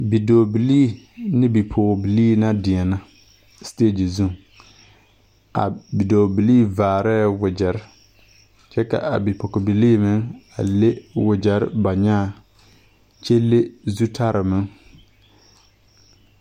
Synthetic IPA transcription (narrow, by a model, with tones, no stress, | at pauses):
bi˨doː˨bi˨liː˦ | nɪ˦bi˨pʰoː˨bi˨liː˦na˦dɪ˨ɛ˨na˦ | steː˦˨d͡ʒi˨zu˦˨ŋ | a̰˨bi˨doː˨bi˨liː˦vaː˨ɾɛː˦wʊ˨d͡ʒɛ˨ɾ | t͡ʃɛ˦ka̰˨ʔa̰˨bi˨pɔ˨kɪ˨bi˨liː˦mɪ˦ŋa̰˨le˦wɪ˨d͡ʒɛ˨ɾba˨ɲa˦˨ | t͡ʃe˦le˦zu˦tʰa˦ɾɪ˨mɪ˦ŋ